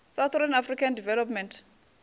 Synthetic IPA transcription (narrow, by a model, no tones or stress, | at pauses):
sawθʰranafrikʰandivɛlɔpmɛ̃ntʰ